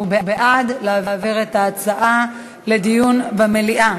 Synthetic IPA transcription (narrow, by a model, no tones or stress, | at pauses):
ubebeʔad̪leavaːviʁetaːt͡saʔa | le̞d̪ijunbemeliʔa